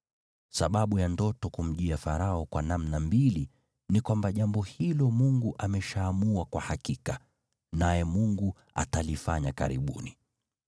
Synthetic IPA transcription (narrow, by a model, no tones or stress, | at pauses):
saɓaɓujandɔtɔkum̩ʄiafaɾaɔkwanamnambili | nikwambaʄambɔhilɔmuŋɡuʔamɛʃaːmuwakwahakika | najɛmuŋɡu | a̰talifaɲaka̰ɾḭɓṵni